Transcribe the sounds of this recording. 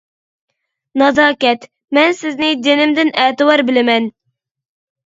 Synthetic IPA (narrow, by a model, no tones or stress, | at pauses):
nɑzɑːkʲɛt̪ | mɛnsɪznɪd͡ʒ̪enɪmd̪ɪnɛːt̪ɨwɑɾbɪlɪmɛn